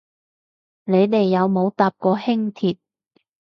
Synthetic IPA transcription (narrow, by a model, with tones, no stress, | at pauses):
ne˨˧jt̪e˨jːɐ˨˧wmo˨˧wt̪aː˨p̚kɔː˧hɪ˥ŋt̪ʰiː˨t̚